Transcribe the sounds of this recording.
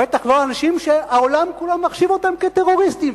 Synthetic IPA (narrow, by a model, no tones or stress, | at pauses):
et̪aχloanaʃimʃeao̞lamkulamːaχʃivo̞t̪amket̪e̞ʁo̞ʁist̪im